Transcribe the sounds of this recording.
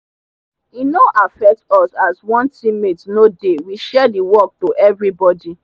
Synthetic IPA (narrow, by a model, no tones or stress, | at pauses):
inoʔafɛk̚tɔsaswɔ̃ntimetnodewiʃɛdiwɔk̚toʔɛvɹibɔdi